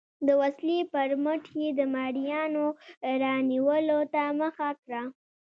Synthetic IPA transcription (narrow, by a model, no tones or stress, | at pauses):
d̪əwaslipəɾməʈʰed̪əmɑɽijɑnoɾɑniwəlot̪aməxakɾa